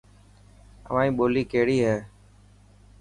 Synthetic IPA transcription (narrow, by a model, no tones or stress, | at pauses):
ə̰ʋãːĩːɓoːliːkeːɽiːɦɛː